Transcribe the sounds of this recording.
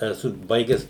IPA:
ɛˈsʊ ˈbɐɪɡʲæːs

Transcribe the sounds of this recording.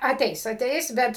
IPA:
ɐˈtʲɛɪs ɐˈtʲɛɪs ˈbʲɛt

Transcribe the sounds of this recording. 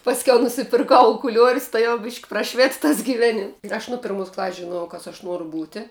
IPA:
pɐsʲˈkʲɛʊ nʊsʲɪpʲɪrˈkɐʊ ʊkʊˈlʲuɔrʲʊs tɐɪ jɛʊ bʲɪʃʲkʲ prɐˈʃʲʋʲɪt tɐs ɡʲɪʋʲˈæːnʲɪm ɪr ˈɐʃ nʊ ˈpʲɪrmʊs klˠɐsʲsʲ ʒʲɪˈnuɔjɛʊ ˈkɐs ɐʃ ˈnuɔrʊ ˈbuːtʲɪ

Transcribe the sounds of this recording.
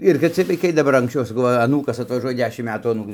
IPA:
ɪr kɐt ˈt͡sʲiɛj ʋɐɪˈkɐɪ dɐˈbɐr ɐŋksʲˈt͡ʃʲɛʊ sɐˈkɐʊ ʋɐ ɐˈnuːkɐs ɐtʋɐˈʒuɔjɛ ˈdʲæːʃʲɪm ˈmʲæːtuː ɐˈnuːkʊɪ

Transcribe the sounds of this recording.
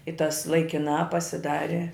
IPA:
ɪ tɐs lˠɐɪkʲɪˈnɑː pɐsʲɪˈdɑːrʲɪ

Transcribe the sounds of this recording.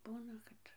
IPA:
ˈbuːnɐ kɐt

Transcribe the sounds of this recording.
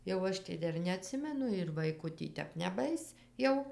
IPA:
jɛʊ ˈɐʃ tɐɪ ˈdɐr nʲɛɐˈtʲsʲɪmʲɛnʊ ɪr ˈʋɐɪkʊ tʲiː ˈtʲɛp nʲɛˈbɐɪs ˈjɛʊ

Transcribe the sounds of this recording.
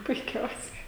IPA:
pʊɪˈkʲɛʊsʲɛɪ

